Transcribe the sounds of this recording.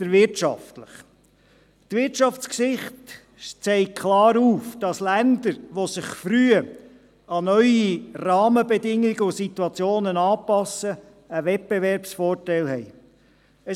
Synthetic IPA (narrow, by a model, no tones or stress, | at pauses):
əɾʋɪɾtʃɑ̰ftləχ | tʋɪtʃɑft͡skʃɪχt | ʃt͡sɛɪkʰlɑːɾuːfd̥ɑslænd̪əɾʋosɪχfɾyə | ɑnœʏirɑːməbɛdɪŋːiɡəʊsit̪uɑt͡sjoːnənɑːpɑsə | əʋɛt̚b̥eʋɛɾpsfɔːrtɛɪlhɛj | ə